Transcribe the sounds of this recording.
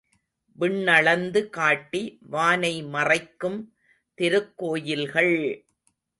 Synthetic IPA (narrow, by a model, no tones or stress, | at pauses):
ʋɪɳːɐɭɐnd̪ɯkaːʈːiʋaːnɐɪmɐrɐɪkːɯm | t̪ɪɾɯkːoːjɪlɣɐɭ